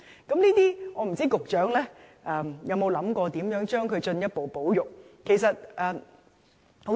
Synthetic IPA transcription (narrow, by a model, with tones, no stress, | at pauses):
kɐ˨˥mniː˥t̪iː˥ŋɔː˨˧m̩˨˩t͡siː˥kʊ˨k̚t͡ʃœː˨˥ŋlɛː˥ʔɛ˨jɐ˨˧wmo˨˧wlɐ˨˥mkɔː˧t̪iː˨˥mjœː˨˥ŋt͡ʃœː˥ŋkʰɵ˨˧t͡ʃɵ˧njɐ˥t̚po˨wpo˨˥wjʊ˨k̚kʰːe˨˩js̬ɐ˨t̚ʔɛː˨˩ | ho˨˥